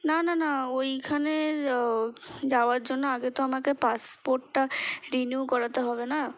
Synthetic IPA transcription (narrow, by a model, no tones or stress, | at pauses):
nananaojkʰane | d͡ʑaoaɾd͡ʑonːoaɡet̪oamakepaspoɾʈːaɾinjukɔɾat̪eɦɔbena